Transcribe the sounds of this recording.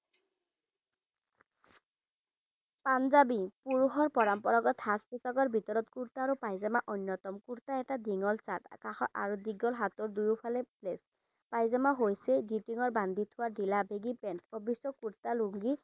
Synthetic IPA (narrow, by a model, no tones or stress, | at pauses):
panzabipuɹuxɔɹpɔɹampɔɹɔɡɔthaspisɔɡɔɹbʱitɔɹɔtkuɹtaːɹupajzamaʔonjɔtɔmkuɹtaɛtadiŋɔlsatkaxɔa̰ɹudiɡɔlɦatɔɹdujupʰalɛplɛs | pajzamaɦojsɛɡitiŋɔɹband̪ʱitʰʊwadilabeɡipɛntɔbʱisɔkuɹtaluŋɡi